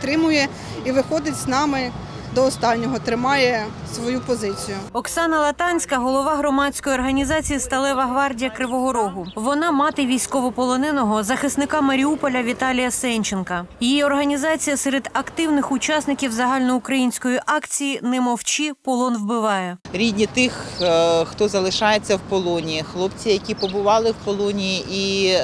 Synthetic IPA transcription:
t̪ɾɪmʊjɛ | iʋɪxɔd̪ɪtʲznɑmɪ | d̪ɔːst̪ɑnʲːɔɦɔt̪ɾɪmɑjɛ | sʋɔjupɔzɪt͡sʲijʊɔksɑnɐlˠɐt̪ɑnʲsʲkɐɦɔlˠɔʋɑɦɾɔmɑsʲkɔjiɔrɦɐnʲizɑt͡sʲijist̪ɐlˠɛʋɐɦʋɑrdʲijɐkɾɪʋɔɦɔɾɔɦʊʋɔnɑmɑt̪ɪʋʲijsʲkɔʋɔpɔlˠɔnɪnɔɦɔzɐxɪsnɪkɑmɐɾʲiupɔlʲɐʋʲit̪ɑlʲijɐsɛnʲt͡ʃenkɐjijiɔrɦɐnʲizɑt͡sʲijɐsɛɾɛd̪ɐkt̪ɪwnɪxʊt͡ʃɑsnɪkʲiwzɐɦɑlʲnɔʊkɾɐjinʲsʲkɔjiʔɑkt͡sʲijinɛmɔwt͡ʃipɔlˠɔnwbɪʋɑjɛɾʲidʲnʲit̪ɪxxt̪ɔzɐlˠɪʃɑjet͡sʲːɐwpɔlˠɔnʲiixlˠɔpt͡sʲijɐkʲipɔbʊʋɑlˠɪwpɔlˠɔnʲijiʔi

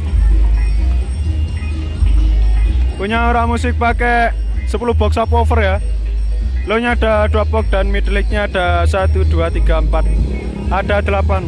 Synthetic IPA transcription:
kuɲaoɾamusɪk̚pakɛ | səpulub̥ɔ̤k̚sapɔfərja | loɲaaɖ̥a̤ɖ̪apɔk̚ɖ̥̪a̤nmiʈ̪lɪk̚ɲaaɖ̥a̤sat̪ud̪̥ṳat̪iɡ̥a̤əmpat̪̚ | aɖ̥a̤d̪̥ə̤lapan

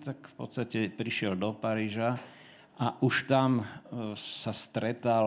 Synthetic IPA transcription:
t̪akfpɔ̰t̪st̪acɛpɾiʃɪɛld̪ɔpaɾiːʒa | ʔaʔuʃt̪am | sast̪ɾɛt̪al

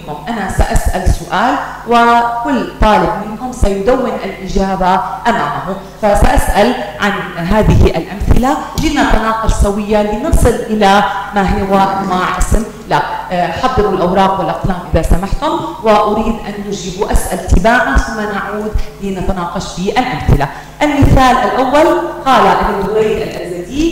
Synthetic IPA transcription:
ʊmʔanasaʔasʔalsʊʔaːl | wɪkʊlːt̪ˤɑːlɪb̚mɪnhʊmsajʊd̪awːɪnʔalʔɪʒaːbaʔamaːmaɦʊ | fasaʔasʔalʕanɦaːðɪhiʔa̰lʔamθɪlalinat̪anɑːqʊʃsawɪjːaliːnɨsˤɨlʔɪlamaɦɪwaʔmwaːʕʔɪsm | laħɑðˤːɨɾlʔawɾˤɑːqwɪlʔaqlaːmʔɪðasamaħt̪ʊmwɪʔʊɾiːd̪ʔanːʊd͡ʒɪbuʔasʔalt̪ʰːɪbaːʕanθʊmːanaʕuːd̪liːnat̪anɑːqɑʃfiʔalʔamθɪla | ʔalmɪθaːlʔalʔawːalqɑːlaʔɪbɪʊwajlʔalʔazad̪iː

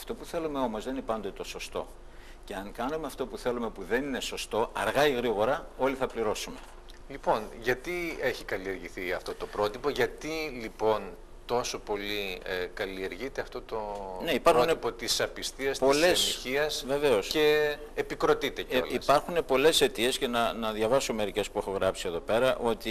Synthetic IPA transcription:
ɐft̪o̞puθe̞lume̞o̞mo̞zðeninipɐnd̪ot̪o̞so̞st̪o̞̰ | ce̞ɐŋkɐnumeɐft̪o̞puθe̞lume̞puðe̞nine̞so̞st̪o̞ʔɐɾɣɐiɣɾiɣo̞ɾɐo̞liθɐpliɾo̞sume̞ | lipo̞nʝɐt̪ie̞çikɐlie̞ɾʝiθiɐft̪o̞t̪o̞pɾo̞t̪ipoʝɐt̪ilipo̞n | t̪o̞so̞po̞liekɐlie̞ɾʝit̪eɐft̪o̞t̪one̞ipɐɾxunepot̪isɐpist̪iɐspolesiɐsve̞ve̞o̞sce̞ː | pikɾo̞t̪it̪eco̰lispɐɾxune̞po̞le̞se̞t̪ie̞sce̞nɐnɐðʝɐvɐsomeɾice̞spue̞xoɣɾɐpsie̞ðo̞pe̞ɾɐʔo̞t̪i

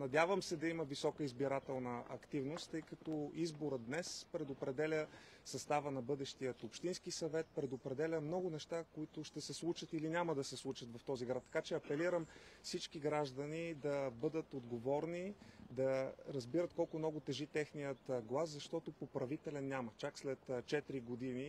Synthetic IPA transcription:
nɐd̪ʲjavəmsɛd̪ɐiməvisɔkəizbiɾat̪ɛlˠnəɐ̰kt̪ivnost̪ːɤjkɐt̪ɔizboɾəd̪nɛspɾɛd̪opɾɛd̪ɛlʲə | sɐst̪avənɐbɤd̪ɛʃt̪ijət̪opʃt̪inskisɐvɛt̪̚pɾɛd̪opɾɛd̪ɛlʲəmnɔɡʊnɛʃt̪akoit̪ʊʃt̪ɛsɛslˠut͡ʃət̪ilinʲaməd̪ɐsɛslˠut͡ʃət̪vɐft̪ɔziɡɾat̪ːɐ̥kat͡ʃɛɐpɛliɾəmfsit͡ʃkiɡɾaʒd̪ənid̪ɐbɤd̪ət̪od̪ɡovɔɾnid̪ɐɾɐzbiɾət̪kɔlˠkʊmnɔɡʊt̪ɛʒit̪ɛxnijət̪ɡlˠaszɐʃt̪ɔt̪ʊpopɾɐvit̪ɛlʲɛnʲːjamət͡ʃakslɛt̪t͡ʃɛt̪ɾiɡod̪ini

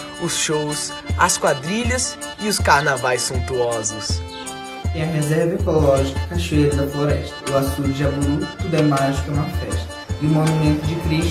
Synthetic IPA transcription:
ʊsʃows | ɐskwad̪ɾiʎɐs | ɪʊskaɾnavajsːũnt̪uɔzʊs | ẽɐɦezɛɾvɐekolɔʒikɐ̥kɐʃejɾɐd̪ɐfloɾɛst̪ɐ̥ʊasuɾd͡ʒɪabulut̪ud̪ɛmaʒɪkɐũmɐ̃fɛʃt̪ɐ̥ɪʊmonumẽnt̪ʊd͡ʒɪkɾiʃ

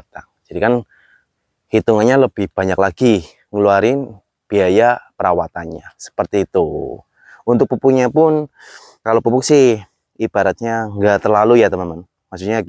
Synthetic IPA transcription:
at̪aŋd͡ʒadikan | hit̪uŋanɲaləb̥ɪhb̥aɲaklaɡ̥i | ŋəluaɾɪn | b̥iajapəɾawat̪anɲasə̥pərt̪iːt̪u | unt̪ʊk̚pupuɲapʊn | kalopupuksɪh | ib̥aɾat̪̚ɲaŋɡat̪ərlalujat̪əmənman | masuɲa

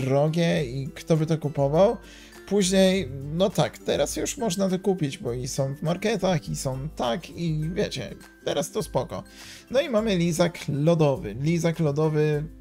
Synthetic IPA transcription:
ɾɔɡʲɛikt̪ɔbɘt̪ɔkupɔvaw | puʑɲejnɔt̪akt̪ɛɾasjuʂmɔʐnat̪̬ɔkupʲid͡ʑbɔisɔ̃w̃vmaɾkɛt̪axisɔ̃w̃t̪akivʲjet͡ɕɛ̰ | t̪ɛɾast̪ɔspɔkɔ̰ | nɔimamɘlʲizaklɔd̪ɔvɘ̰lʲizaklɔd̪ɔvɘ

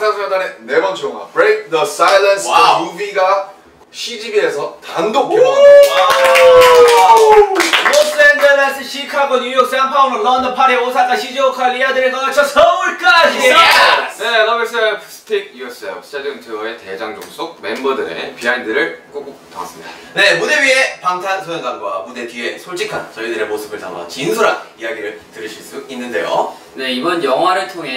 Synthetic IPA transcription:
sʰasʰɯmʌdanenebʌnt͡ɕʰoŋa̰bɾek̚ðʌsajlansajubiɡa | ɕʰid͡ʑibiesʰʌtandok | mosendɯnasɯɕʰikʰaɡoɲujok̚s͈anpʰaonokʌndʌpʰaɾeosʰak͈aɕʰid͡ʑiokʰalːijadɯɾɯɭkʌkat͡ɕʰʌsʰʌuɭk͈aienenames͈ʌpʰsʰɯ̥tʰiɡ̚uʌsajoɕʰi̥t͡ɕadɯŋtʰɯʌete̞d͡ʑaŋd͡ʑo̰ŋs͈ʰoɡ̚me̞mbʌdɯɾḛpiaindɯɾɯɭk͈ok͈ok̚t͈ʌŋas͈ɯmɲid̥a̰ | ne̞mudewɥie̞paŋsʰansʰojʌnɡanɡwa̰mude̞tie̞sʰoɭt͡ɕʰikʰa̰nt͡ɕʌidɯɾe̞mosʰɯbɯɭta̰ŋʌ̰nt͡ɕinsʰuɾanijaɡiɾɯɭtɯɾɯɭɕʰiɭs͈uinːɯnde̞jo̰ | ne̞ibʌnjʌŋɦwaɾɯɭtʰoŋɦe

